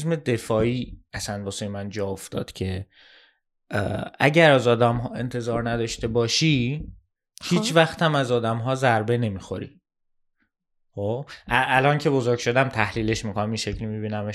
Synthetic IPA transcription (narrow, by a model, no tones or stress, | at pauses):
sme̞d̪e̞fɒːiːæsænb̪ɒsejmænd͡ʒɒːoft̪ɒ̰ːd̪̥cʰe̞ | æɟæɾæzɒːd̪æmɦɒːe̞nt̪ʰe̞zɒːɾnæd̪ɒːʃt̪e̞bɒːʃiː | hiːt͡ʃʰvæxt̪æmæzɒːd̪æmɦɒːzæɾbe̞ne̞miːxo̞̰ɾḭ | xobʔæʔælɒncʰe̞bo̞zoɾɡʃo̞d̪æmt̪ʰæhliːle̞ʃmiːkʰonæmiʃe̞cʰlimibiːnæme